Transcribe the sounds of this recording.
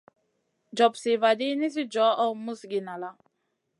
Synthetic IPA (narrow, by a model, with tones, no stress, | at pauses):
d͡ʒɔ˨psi˨va˨d̪i˦ni˦s̬i˦d͡ʒɔ˦ʔɔ˦mu˦sɡi˨na˨la˦